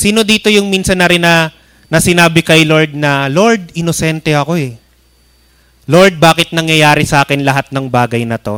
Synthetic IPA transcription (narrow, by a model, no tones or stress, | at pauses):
siːno̞d̪iːt̪o̞jʊŋmiːnsɐnːɐɾɪnːɐ | nɐsɪnaːbɪkɐjlo̞ɹd̪̚nɐlo̞ɹd̪̚ɪnosɛnt̪ɛɐko̞ɛ | lo̞ɹd̪̚baːkɪt̪̚nɐŋjɐjaːɾɪsɐʔaːkɪnlɐɦat̪̚nɐŋbaːɡɐjnɐt̪o̞